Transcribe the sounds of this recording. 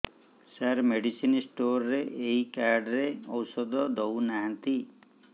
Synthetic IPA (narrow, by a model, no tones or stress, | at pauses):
saɾmeɖisinsʈoɾɔɾeʔeikaɾɖɾeɔwsɔd̪ɔd̪ownaɦant̪i